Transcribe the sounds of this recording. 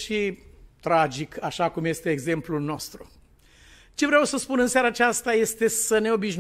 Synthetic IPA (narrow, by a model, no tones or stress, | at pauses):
ʃit̪ɾad͡ʒikʰaʃakumjest̪eːɡze̞mplulno̞st̪ɾṵ | t͡ʃe̞vɾeawsəspunɨnsjaɾaːt͡ʃast̪aje̞st̪e̞səne̞o̞biʃn